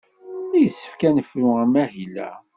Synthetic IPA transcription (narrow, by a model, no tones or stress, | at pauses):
læjəsːə̥fkænəfɾʊæmæhilæ̰